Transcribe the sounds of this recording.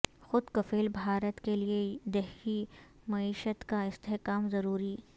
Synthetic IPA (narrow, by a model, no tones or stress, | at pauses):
xʊd̪kɐfeːlbʱaːɾət̪kelied̪ɛɦi | mɐiːʃət̪kaɪst̪eɦkaːmzɐɾuːɾiː